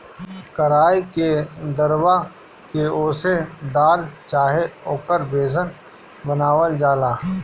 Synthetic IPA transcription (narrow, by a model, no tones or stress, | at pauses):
kəɾaːiked̪əɾwa | keoːsed̪aːlt͡ʃaːɦeoːkəɾbeːzən | bənaːwəld͡ʒaːlaː